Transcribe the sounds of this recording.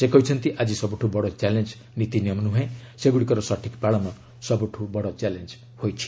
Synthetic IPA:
sekʌjt͡ʃʰʌnt̪iʔad͡zisʌbuʈʰubɔɽɔt͡ʃalend͡z | nit̪iniʌmnuɦʌẽseɡuɽikʌɾɔsʌʈʰikbaɭɔma | sʌbuʈʰubɔɽɔt͡ʃalend͡z | hojt͡ʃʰi̥

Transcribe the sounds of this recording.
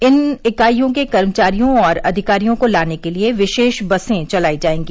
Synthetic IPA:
ɪnɪkaːijõkekɐɾmət͡ʃaːɾijõɔːɾɐ̰d̪ʱɪkaːɾijõkolaːnekelieʋɪʃeːʃbɐsẽt͡ʃɐlaːid͡ʒaːẽːŋɡiː

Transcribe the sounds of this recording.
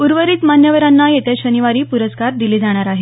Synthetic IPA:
uɾʋəɾiːt̪manjəʋəɾanːajet̪ʰeɕəniʋaɾiːpuɾəskaɾd̪iliːd͡zaɽ̃aɾaɦe

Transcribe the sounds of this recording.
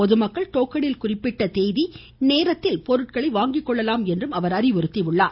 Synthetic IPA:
ɔðɯmɐkːɐɭʈ̪oːkːɐɽɪlkʊrɪpːɪʈːɐt̪eːjði | neːɾɐt̪ːɪlpɔɾɯʈ̚kɐɭɐɪʋaːŋɡɪkːɔɭːɐlaːmɛndrɯmɐʋɐɾɐrɪʋɪɾɯt̪ːiʋɯɭːaː

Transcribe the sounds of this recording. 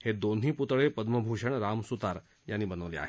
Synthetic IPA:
hed̪oːnɦipʊt̪ɭepɐd̪məbʱuːʃəɽ̃ɾaːmsut̪aːɾ | jaːnibənəʋlea̰ɦ

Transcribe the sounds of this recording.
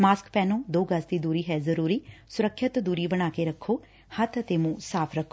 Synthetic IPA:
maːskpɛːnõːd̪oːɡəsd̪iːd̪uːɾiːɦɛːzəɾuːɾiːsʊɾəkʰːɪt̪d̪uːɾiːbəɽ̃aːkeːɾəkʰːoː | hət̪ət̪eːmũːsaːpʰɾəkʰːoː

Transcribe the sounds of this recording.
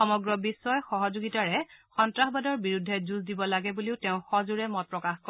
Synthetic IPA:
xɔmɔɡɹɔbisːɔjxɔɦɔzuɡitaɹɛxɔntɹaxbadɔɹbiɹudʱːɛzuzdibɔlaɡɛbuliʊteʊ̃xɔzuɹɛmɔt̚pɹɔkaxkɔ

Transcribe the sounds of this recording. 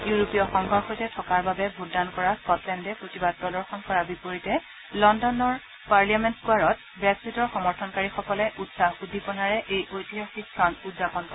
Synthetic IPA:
juɹopijɔxɔŋɡʱɔɹxotɛtʰɔkaɹbabɛbʱutdankɔɹaskɔtlɛndɛpɹotibadtɔdɔɹxɔnkɔɹabipoɹitɛ | lɔndɔnɔɹ | paɹliamɛntkuaɹɔt̚ | bɹɛksitɔɹxɔmɔɹtʰɔnkaɹixɔkɔlɛʔutsaxudʱipɔnaɹɛʔejʔojtiɦaxikʰːɔnudzapɔnkɔɛ

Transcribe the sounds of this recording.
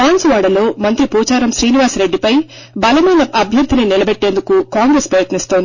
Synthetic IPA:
aːnsʋaːɽɐlo̞ːmɐnt̪ɾipuːt͡ʃaːɾɐmʃɾiːniʋaːsɾe̞ɖːipɐj | bɐlɐmɐjnɐʔɐbʱjɐɾd̪ʱininilɐbeʈːe̞ːnd̪ukukaːŋɡɾeːspɾɐjɐt̪nist̪oːnd̪i

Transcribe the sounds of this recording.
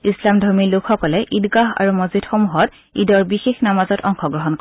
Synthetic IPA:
islamdʱɔɹmilʊkxɔkɔlɛʔidɡaɦa̰ɹumɔzidxomuɦɔt | idɔɹbixexnamazɔtɔŋxɔɡɹɔɦɔnkɔ

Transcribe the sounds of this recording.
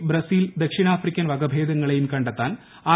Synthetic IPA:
bɾɐsiːld̪ɐkʂinaːfrikʲːɐnʋɐɡɐbʱeːd̪ɐŋːɐɭejumkɐɳɖɐt̪ːaːn | aː

